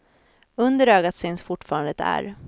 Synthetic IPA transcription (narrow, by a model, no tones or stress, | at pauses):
ɵnd̪əɾøːɡat̪syːnsfʊʈːfɑːɾand̪əd̪æ̰ːɾ